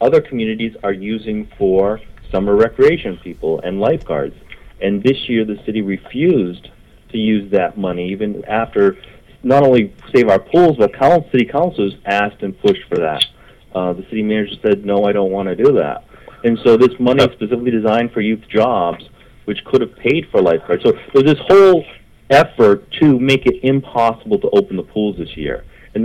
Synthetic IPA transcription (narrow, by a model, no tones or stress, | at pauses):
ʌðə˞kʰmjʉnɨɾizə˞jʉzɪ̃ŋfə˞sʌmə˞ɹɛkɹieɪʃɨ̃npʰipl̩ˠɨ̰̃nlaɪfɡ̥ɑ̰ɹdz̥ɨ̃nðɪsjɪɹðɨsɪɾiɹɨfjʉz | tʰɨjʉzðɨt̚mʌniivɨ̃næftə˞ | nəɾõʊ̃nliseɪvaʊə˞pʰulˠzbʌt̚kʰãʊ̃nsɪɾikʰãʊ̃nsl̩ˠzæstɨ̃npʰʊʃtfə˞ðæ̰t̚ | ðɨsɪɾimænɨd͡ʒə˞sɛd̚ⁿnoʊaɪɾõʊ̃nʔwɑ̃nɨdɨðæ̰t̚ɨ̃nsoʊðɪsmʌniz̥spɨsɪfɪklidɨzãɪ̃nd̥fə˞jʉθd̥ʒ̥ɑbz̥ | wɨt͡ʃkʰʊɾɨv̥pʰeɪd̥fə˞laɪfkʰɑɹd̥soʊðə˞zðɪshoʊlˠ | ɛfə˞tʰɨmeɪkɨɾɪ̃mpʰɑsəbl̩ˠtʰəʔoʊpn̩ðəpʰulˠzðɪsjɪ̰ɹ | ɨ̃n